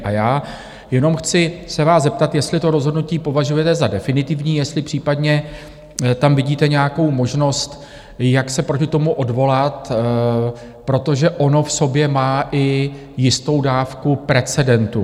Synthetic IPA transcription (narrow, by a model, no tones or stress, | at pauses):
ʔajaː | jɛno̞mxt͡sɪsɛvaːzzɛp̚t̪at̪jɛst̪lɪt̪o̞ɾo̞zɦo̞dnuciːpo̞vaʒujɛt̪ɛzadɛfɪnɪt̪ɪvɲiːjɛst̪lɪpr̥iːpadɲɛ | t̪amvɪɟiːt̪ɛɲɛjako̞wmo̞ʒno̞st̪ | jaksɛpɾo̞cɪt̪o̞muʔo̞dvo̞lat̪ | pɾo̞t̪o̞ʒɛʔo̞no̞fso̞bjɛmaːʔɪ | jɪst̪o̞wdaːfkupɾɛt͡sɛdɛnt̪u